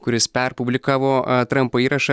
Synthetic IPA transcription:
kʊɾʲɪspʲɛɾpʊbʲlʲɪkɑːʋoːt̪ɾɐmpoiːɾɐʃɐ

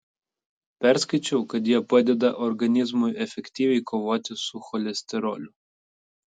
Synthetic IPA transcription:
pɛɾskɐt͡ʃʲɪwkɐd̪jɛpɔd̪ʲɛd̪ɐʔɔɾɡɐnʲizmʊjɛfʲɛkt̪ʲiʋʲijkɔʋɔt̪ʲɪsʊxɔlʲɛsʲt̪ʲɛɾɔlʲʊ

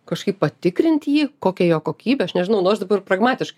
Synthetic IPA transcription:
kɐʃkɐɪppɐt̪ʲɪkɾʲɪnʲt̪ʲjiːkoːkʲɛjoːkoːkʲiːbʲɛɐʃnʲɛʒʲɪnɐʊnoɐʃd̪ɐbɐrprɐɡmɑːt̪ʲɪʃkɐɪ

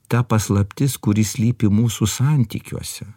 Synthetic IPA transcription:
t̪ɑpɐslˠɐpʲt̪ʲɪskʊɾʲɪsʲlʲiːpʲɪmuːsusɑnʲt̪ʲḭːkʲṵɔsʲɛ

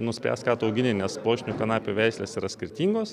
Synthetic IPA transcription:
nʊsʲpʲæ̰ːskɑːt̪ːɐʊɡʲɪnʲɪnʲɛspoːʃʲnʲʊkɐnɑːpʲoːʋʲɛɪsʲlʲeːsiːɾɐsʲkʲɪɾʲt̪ʲiːŋɡoːs

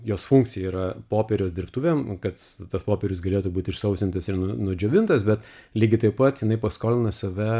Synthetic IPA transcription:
joːsfuŋk̚t̪sʲɪjɛiːɾɐpoːpʲɛɾʲoːsd̪ʲɪɾpt̪uːʋʲeːmkɐt̪t̪ɐspoːpʲɛɾʲʊsɡɐlʲeːt̪uːbuːt̪ʲɪʃsɐʊsʲt̪ʲɪnt̪ɐsɪɾnʊnud͡ʒʲoːʋʲɪnt̪ɐsbʲɛt̪ | lʲiːɡʲɪt̪ɐɪppɐt̪jɪnɐɪpɐskoːlʲɪnɐsɐʋʲɛ

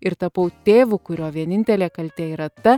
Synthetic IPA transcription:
ɪɾt̪ɐpɐʊt̪ʲeːʋʊkʊɾʲoːʋʲiɛnʲɪnʲt̪ʲɛlʲeːkɐlʲt̪ʲeːiːɾɐt̪ɐ

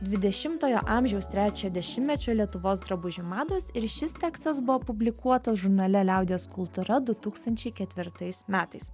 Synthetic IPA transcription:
d̪ʲʋʲɪd̪ʲɛʃʲɪmt̪oːjo̰ːʔɑˑmʲʒʲɛʊst̪ʲɾʲæːt͡ʃʲoːjoːd̪ʲɛʃʲɪmʲmʲɛt͡ʃʲoːlʲiɛt̪ʊʋoːsd̪ɾɐbʊʒʲɪmɑːd̪osɪɾʃʲɪst̪ʲæːkst̪ɐsbʊʋoːpʊbʲlʲɪkuɔt̪ɐsʒʊɾnɐlʲɛlʲæˑʊd̪ʲɪjoːskʊlˠt̪ʊɾɐd̪ʊt̪uːkst̪ɐnʲt͡ʃʲɛɪkʲɛt̪ʲʋʲɪɾt̪ɐɪsmʲæːt̪ɐɪs

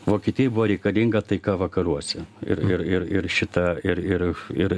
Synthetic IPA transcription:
ʋoːkʲiːt̪ʲiːjbʊʋoːɾʲɛɪkɐlʲiŋɡɐt̪ɐɪkɑːʋɐkɐɾuɔsʲɛɪ̰ɾɪɾɪɾɪɾʃʲɪt̪ɐɪɾɪɾɪ̰ɾ

